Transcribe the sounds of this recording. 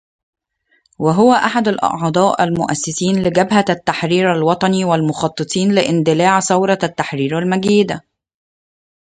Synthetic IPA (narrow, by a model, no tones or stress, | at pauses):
waɦʊwæʔaħad̪alʔɑ̰ʔʕd̪ˤɑːʔæ̰lmʊʔæsːɪsiːnlɪɡæbɦat̪ːaħɾiːɾalwɑt̪ˤɑniːwalmʊxɑt̪ˤːɨt̪ˤiːnlɪʔɪnd̪ɪlaːʕsɑwɾˤɑt̪ːaħɾiːɾælmæɡiːd̪a